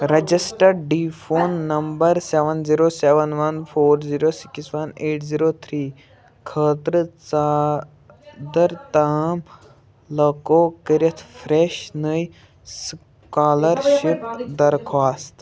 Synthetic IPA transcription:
ɾɐd͡ʒisʈəɖɖiːfoːnːɐmbəɾseʋənziːɾoːseʋənʋɐnfʰoːɾziːɾoːsi̥ksʋɐneːʈziːɾoːt̪ʰɾiː | kʰɐːt̪ɾət͡sa | d̪əɾt̪ɐm | lɐkokəɾit̪ʰfɾeʃnəj | s | kaːlɐɾʃipd̪ɐɾkʰaːst̪

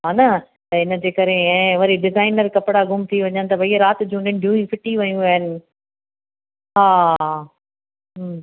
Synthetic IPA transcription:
ɦaːnɐ | t̪ɐɪnə̆d͡ʑeːkɐɾeɛ̃ːʋɐɾiɖɪzaːɪnəɾkɐpɪɽaɡʊmt̪ʰiʋɐɲənɪ̆t̪ɐbʱɐiɐɾaːt̪̆d͡ʑũɖɪ̃ɳɖʱijũĩfɪʈiʋɐjũaːɦənɪ̆ | ɦaː | ɦ

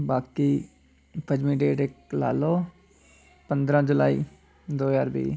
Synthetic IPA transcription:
baːkiː | pʰəd͡ʒmĩːɖeːʈɪkla̰ːloː | pə̃nd̪ɾãːd͡ʒʊla̰ːiː | d̪oːjaːɾbḭː

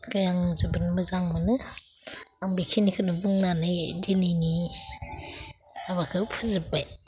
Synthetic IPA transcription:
kajaŋzubɯnmɯzaŋmɯnɯ | aŋbikʰinikʰɯnɯbuŋnanɯjdinɯni | aβakʰɯwpʰɯzɯbaj

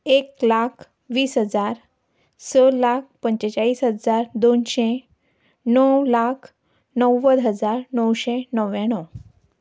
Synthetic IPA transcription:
eklakʰ | ʋiːsɦəd͡zaɾ | səlak̚ʰpəɲt͡ɕet͡ɕaiːsɦəd͡zaɾd̪onɕe | nəwlakʰ | nəwːəd̪ɦəd͡zaɾnəwɕenəwjãɽ̃ɔ

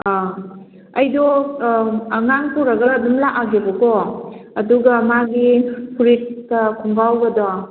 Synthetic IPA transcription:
a | ɐjdɔ | ɐŋaŋpuɾɐɡɐːdumlaʔaɡebɐkɔɐduɡamaɡipʰuɾistɐkʰuŋbawɡɐdɔ

